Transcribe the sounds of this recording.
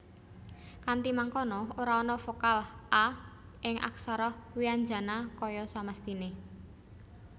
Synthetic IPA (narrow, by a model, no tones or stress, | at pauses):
kant̪imaŋkɔnɔoɾaɔnɔfokalʔa | ʔɪŋʔa̰ksaɾɔhwiaɲd͡ʒa̤nakɔjɔsaməst̪ine